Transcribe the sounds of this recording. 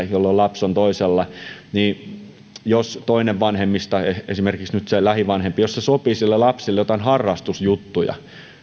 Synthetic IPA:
jolːolɑpsont̪oiselːɑniː | jost̪oineʋʋɑnhemːist̪ɑeesimerkiksnyt̪selæhiʋɑnhempijossesopiːsilːelɑpsilːejot̪ɑinhɑrːɑst̪usjut̪ːujɑ̰

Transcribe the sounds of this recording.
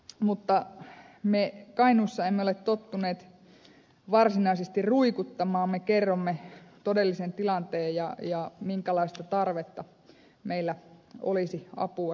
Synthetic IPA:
mut̪ːɑ | mekɑinusːɑemːeolet̪t̪ot̪ːuneːt̪ | ʋɑrsinɑisest̪irruikut̪ːɑmɑːmmekerːomːet̪odelːisent̪ilɑnt̪eːjjɑjɑmiŋkælɑist̪ɑt̪ɑrʋet̪ːɑ | meilːæo̰lisiɑ̰puɑ

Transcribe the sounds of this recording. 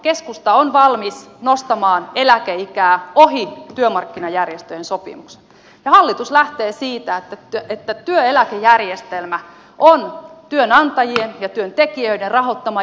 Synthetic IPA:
keskust̪ɑonʋɑlmisnost̪ɑmɑːnelækeikæːoɦit̪yømɑrkːinɑjærjest̪øjensopḭmukse̥ | jɑhɑlːit̪uslæht̪eːsiːt̪æet̪ːæet̪ːæt̪yøelækejærjest̪elmæ | ʔont̪yønɑnt̪ɑjienjɑt̪yønt̪ekiøidenrɑɦo̞t̪ːɑmɑ

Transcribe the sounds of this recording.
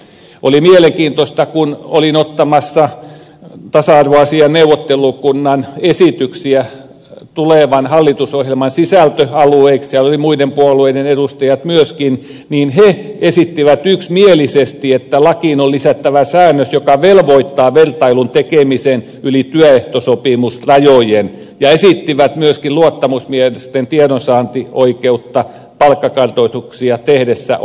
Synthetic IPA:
ʔolimieleŋkiːnt̪ost̪ɑkunolinot̪ːɑmɑsːɑ | t̪ɑsɑɑrʋoɑsiɑneuʋˑot̪ːelukunːɑnesit̪yksiæ | t̪uleʋɑnhɑlːit̪usohjelmɑnsisælt̪øɑlueikssiælːolimuidempuolueidenedust̪ɑjɑt̪myøskin | niːnheesit̪ːiʋæt̪yksmielisest̪iet̪ːælɑkinolisæt̪ːæʋæsæːnːøsjokɑʋelʋoit̪ːɑːʋert̪ɑilunt̪ekemisen | ylit̪yøeht̪osopimusrɑjojen | jɑesit̪ːiʋæt̪myøskiluot̪ːɑmusmiehelist̪ent̪iedonsɑːnt̪ioikeut̪ːɑ | pɑlkːɑkɑrt̪oit̪uksiɑt̪ehdesːæ̰

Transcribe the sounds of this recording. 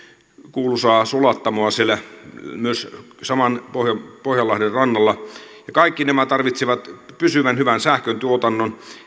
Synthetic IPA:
kuːlusɑːsulɑt̪ːɑmoɑsielæmyøssɑmɑnpohjɑpohjɑlːɑhderrɑnːɑlːɑjɑkɑikːinemæt̪ɑrʋit̪siʋɑt̪pysyʋænhyʋænsæhkønt̪uot̪ɑnːon

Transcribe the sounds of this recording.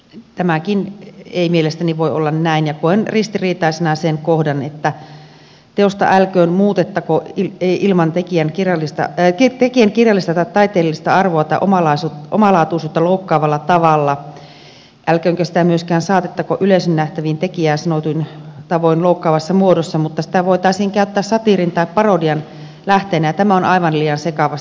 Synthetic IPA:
t̪æmækineimielest̪æniʋoiolːɑnnæinjɑkoenrist̪iriːt̪ɑˑisenɑsenkohdɑnet̪ːæ | t̪eost̪ɑ̰ʔælkøːnmuːt̪et̪ːɑkoieiʔilmɑnt̪ekiænkirjɑlːist̪ɑ̰kit̪ekiæŋkirjɑlːist̪ɑt̪ɑt̪ɑit̪eːlːist̪ɑɑrʋoɑt̪ɑiʔomɑlɑisut̪ʔo̰mɑlɑːt̪uisuːt̪ːɑloukːɑːʋɑlːɑt̪ɑʋɑlːɑ | ʔælkøːŋkøsi̥t̪æmyøskæːnsɑːt̪et̪ːɑkoʔyleisønːæht̪æʋiːnt̪ekiæːsɑnot̪uint̪ɑʋoinloukːɑːʋɑsːɑmuodosːɑmut̪ːɑsi̥t̪æʋoit̪ɑˑisiːŋkæyt̪ːæːssɑt̪irint̪ɑippɑrodiɑn | læht̪eːnæjɑt̪æmæonɑiʋɑnliːjɑnsekɑʋɑst̪

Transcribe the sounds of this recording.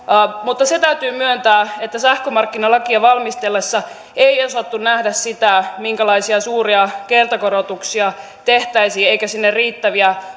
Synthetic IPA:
mut̪ːɑset̪æyt̪yːmyønt̪æːet̪ːæsæhkømɑrkːinɑlɑkiɑʋɑlmist̪elːesːɑ | eiosɑt̪ːunnæhdæssit̪æmiŋkælɑisiɑsuːriɑkert̪ɑkoɾot̪uksiɑ | t̪eht̪æisiːeikæsinːerriːt̪ːæʋiæ

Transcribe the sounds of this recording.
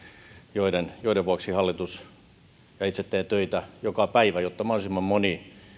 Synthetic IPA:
joidenjoideʋuɑksihɑlːit̪us | jɑit̪set̪ːeːt̪øit̪æjokɑpæiʋæjot̪ːɑmɑholesimːɑmmoni

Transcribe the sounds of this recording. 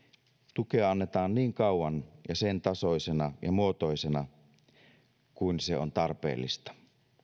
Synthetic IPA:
t̪ukeɑɑnːet̪ɑːnniːŋkɑuwɑnjɑsent̪ɑsoisenɑjɑmuot̪oisenɑ | kuinseo̰nt̪ɑrpḛːlːḭst̪ɑ̥

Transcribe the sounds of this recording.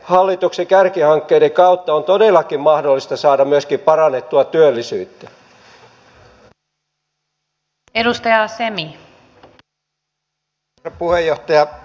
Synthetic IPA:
hɑlːit̪uksekærkihɑŋkːeideŋkɑut̪ːɑont̪odelːˑɑkimmɑhdolːist̪ɑsɑːdɑmyøskimpɑrɑnet̪ːuɑt̪yølːisyːt̪ːæ | edust̪ɑjɑsemi | puhejːoht̪ɑjɑ

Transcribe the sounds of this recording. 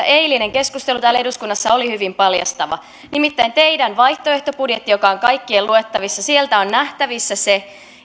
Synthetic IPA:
ʔeiline̞ŋke̞skust̪elut̪æːlːeɾuskunːɑsːɑolihyʋimpɑljɑ̰st̪ɑʋɑ̰ | nimit̪ːæint̪eidænʋɑjht̪oeht̪o̞pudje̞t̪ːijo̞kɑoŋkɑjkːieluet̪ːɑʋisːɑsielt̪æonnæht̪æʋisːæse

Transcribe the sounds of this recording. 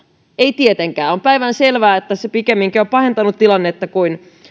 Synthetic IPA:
eit̪iet̪eŋkæːompæiʋænselʋæːet̪ːæsepikemːiŋkioppɑhe̞nt̪ɑnut̪tilɑnːet̪ːɑkuin

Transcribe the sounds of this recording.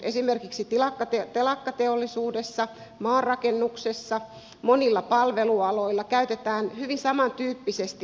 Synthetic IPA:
ʔesimerkiksit̪ilɑkːɑt̪et̪elɑkːɑt̪eolːisuːdesːɑ | mɑːrrɑkenːuksesːɑ | monilːɑpɑlʋeluɑloilːɑkæyt̪et̪æːnhyʋinsɑmɑnt̪yːpːisest̪i

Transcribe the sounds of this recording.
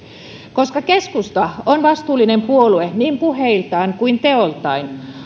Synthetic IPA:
koskɑkeskust̪ɑonʋɑst̪uːlːˑinempuolueniːmpuheilt̪ɑiŋkuint̪eolt̪ˑɑin

